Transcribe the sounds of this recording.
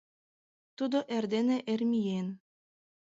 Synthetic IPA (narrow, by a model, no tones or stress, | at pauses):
t̪ud̪oʔerd̪eneʔermijen